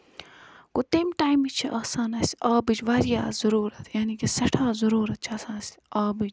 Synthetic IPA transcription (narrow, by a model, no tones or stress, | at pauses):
kot̪emʈaːjmit͡ʃʰiʔaːsaːnɐsʲaːbid͡ʒʋɐɾijaːzɐɾuːɾɐt̪ʰjaːniːkisɐʈʰaːzɐɾuːɾɐt̪̚t͡ʃʰɐːsaːnɐsaːbid͡ʒ